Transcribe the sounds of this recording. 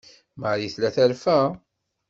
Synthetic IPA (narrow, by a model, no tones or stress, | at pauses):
maʕɾiθlæθæɾfæ